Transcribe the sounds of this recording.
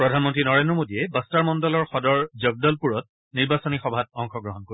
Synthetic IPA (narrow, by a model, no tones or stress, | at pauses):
pɹɔdʱanmɔntɹinɔɹendɹɔmodijɛbastaɹmɔndɔlɔɹxɔdɔɹzɔɡ̚dɔlpuɹɔt̚ | niɹbasɔnixɔbʱat̚ɔŋxɔɡɹɔɦɔnkoɹi